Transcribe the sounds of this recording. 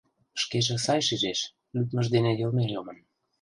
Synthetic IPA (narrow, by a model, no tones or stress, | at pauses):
ʃkeʒĕsɑjʃiʒeʃ | lyt̪mə̆ʒd̪enejə̆lmelʲomə̆n